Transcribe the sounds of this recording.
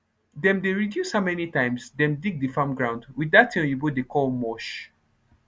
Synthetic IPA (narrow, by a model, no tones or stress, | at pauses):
dɛ̃mdeɹidjushamɛnitãɪ̃msdɛ̃mdiɡ̚difãmɡɹãʊ̃ndwidatʰĩɔ̃jubodekʰɔlmɔʃ